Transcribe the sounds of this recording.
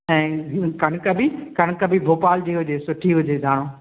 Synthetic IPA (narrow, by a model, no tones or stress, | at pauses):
ɛ̃ːkɐɽ̃kɐbikɐɽ̃kɐbʱibʱoːpaːld͡ʑiɦʊd͡ʑeːsʊʈʰiɦʊd͡ʑeːzʱaːɽ̃õː